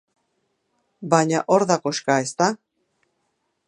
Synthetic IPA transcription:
baɲaʔoɾðako̞ʃkaest̪a

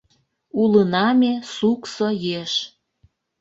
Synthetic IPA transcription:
ulənɑmesuksojeʃ

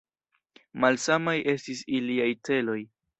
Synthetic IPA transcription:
malsamajʔe̞stisiliajte̞lo̞j

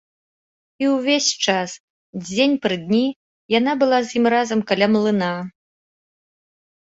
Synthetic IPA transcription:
iwvʲesʲt͡ʂas | d͡zʲenʲpɾɨd̪ʲnʲi | janabɨlˠazjimrazɐmkalʲamlˠɨna

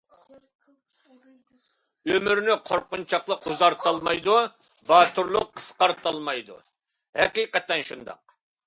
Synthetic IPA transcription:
ømyɾnɪqʰoɾqʊnt͡ʃʰɑqlˠəquzɑɾt̪ɑlˠmɑjd̪u | bɑːt̪ʰuɾlˠʊqʰːə̥sqɑɾt̪ɑlˠmɑjd̪ṵ | hɛqijqɛt̪ːɛnʃund̪ɑ̰q̚

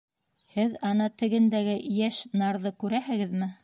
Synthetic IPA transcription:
hɘðɑnɑt̪ɘ̆ɡɘ̆nd̪æɡɘjæʃnɑɾðɤkʉɾæhɘ̆ɡɘðmɘ

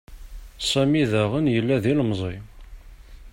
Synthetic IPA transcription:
sæmiðæʁənjəlːæðilmzˤi

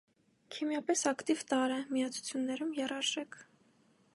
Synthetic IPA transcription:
kʰimjɑpɛsɑkt̪ivt̪ɑɾɛmijɑt͡sʰu̥t͡sʰjunːɛɾumjɛrɑɾʒɛkʰ

